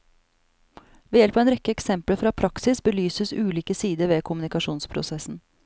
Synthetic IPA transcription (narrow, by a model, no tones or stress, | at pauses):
ʋeːjɛlpɑɛːnɾɛkːəɛksɛmpləfɾɑːpʰɾɑksɪsbəlyːsəsʉːliːkəsiːd̪əɾʋeːkʰʊmʉnɪkɑʂuːnspʰɾʊ̰sɛsn̩